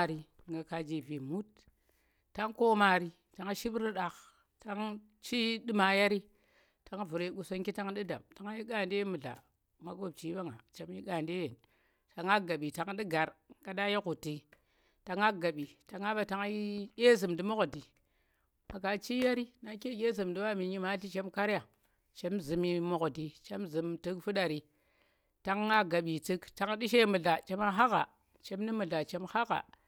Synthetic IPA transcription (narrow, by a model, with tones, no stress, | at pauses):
ɾi˨ | ŋɡa˨ka˨d͡ʒi˨vi˨mu˦t | ta˦ŋko˦ma˨ɾi˨ | ta˨˦ŋ˦ʃi˦bɾi˦ɗa˨k | ta˦ŋ | t͡ʃi˦di˦ma˨ja˦ɾi˦ | ta˨ŋ˦vu˨ɾe˨˦ɡu˨so˦nki˦ta˦ŋɗi˦da̰˨mta˨ŋ˦ji˦ɡa˦˨n˦de˦mɨ˨ɮa̰˨ | ma˨ɡo˦b̚t͡ʃi˦ba˦ŋa̰˨t͡ʃa˨m˦ji˦ɡa˨nde˦je˨n | ta˨ŋa˦ɡa˨ɓi˨ta˨ŋ˦ɗi˦ɡa˨ɾɡa˨ɗa˦je˦ku˨ti˨ | ta˨ŋa˦ɡa˨ɓi˨ta˨ŋa˦ba˨ta˨ŋ˦i˦kʲe˦zɨ˨mdi˦mo˦kdi˨ | ma˨ka˨t͡ʃi˦ja˦ɾi˦na˨ke˦˨kʲe˦zɨ˨mdi˦wa˦mi˨ɲi˦ma˦ɬi˦t͡ʃe˦mka˦ɾja˨ | t͡ʃe˦mzɨ˨mi˦mo˨kdi˨t͡ʃe˦mzɨ˨mtɨ˦kfu˦ɗa˨ɾi˨ | ta˦ŋː˦a˦ɡa˨ɓi˨tɨ˦kta˨ŋ˦ɗi˦ʃe˦mɨ˨ɮa˨t͡ʃe˦ma˦ɦa˦ka̰˨ | t͡ʃe˦mni˦mɨ˨ɮa˨t͡ʃe˦mha˦ka̰˨